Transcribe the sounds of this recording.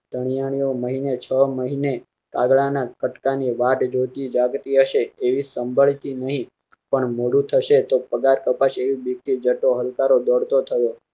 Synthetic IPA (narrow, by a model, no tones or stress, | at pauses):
t̪əɽ̃ijaɽ̃ijoməɦinet͡ʃʰəməɦine | ka̰ɡɭanakəʈkaniʋaʈd͡ʒot̪id͡ʒaɡt̪iɦəʃeːʋisəmbʱəɭt̪inəɦĩ | pəɳmoɽũt̪ʰəʃet̪opəɡaɾkəpaʃeʋibikt̪id͡ʒəʈoɦəlkaɾod̪əɽt̪ot̪ʰəjo